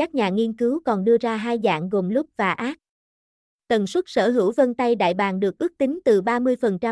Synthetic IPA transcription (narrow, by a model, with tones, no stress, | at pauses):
kaː˦˥k̚ɲaː˨˩ŋi˧ənkɨ˨˦wkɔ˨˩nɗɨ˧əzaː˧ɦaː˧jza̰ː˧˨ŋɣo˨˩mlʊ˦˥p̚vaː˨˩ʔaː˦˥t̚ | t̪ə˨˩nswə˦˥t̚sə̰ː˧˩ɦɨ˧˩wvə˧nt̪a˧jɗa̰ː˧˨jɓaː˨˩nɗɨ˨˩ək̚ʔɨ˦˥ək̚t̪ï˨˦ŋ̟t̪ɨ˨˩ɓaː˧mɨ˧əjfə˨˩nt͡ɕa˧